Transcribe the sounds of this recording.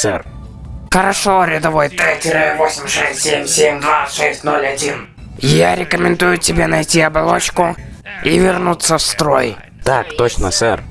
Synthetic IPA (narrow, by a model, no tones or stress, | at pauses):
sɛ̰r | xəɾɐʂoɾʲɪd̪ɐvo̞jt̪ɛtʲɪɾɨvosʲɪmʲʂɛsʲtʲsʲemʲsʲemʲd̪vaʂɛsʲtʲno̞lʲɐdʲin | jaɾʲɪkəmʲɪnd̪ujʊtʲɪbʲenɐjtʲiɐbɐlˠot͡ɕkʊivʲɪrnut̪sːəfst̪ɾo̞̰j | t̪akt̪ot͡ɕnə̰sɛ̰r